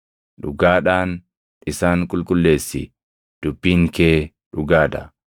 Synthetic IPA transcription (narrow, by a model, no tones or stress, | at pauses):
ᶑʊɡaːᶑaːn | ɪsaːŋkʼʊlkʼʊlːe̞ːsːɪ | d̪̥ʊbːiːŋkeː | ᶑʊɡaːᶑɐ